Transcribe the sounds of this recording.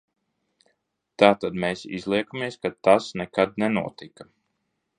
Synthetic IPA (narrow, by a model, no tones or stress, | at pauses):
t̪aːt̪ad̪meːsḭzlˠiɛkamiɛskat̪asnɛkad̪nɛnuɔt̪ika